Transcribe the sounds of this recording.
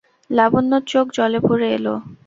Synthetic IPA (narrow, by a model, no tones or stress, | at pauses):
labonːot͡ɕokd͡ʑɔlepoɾeḛlo̰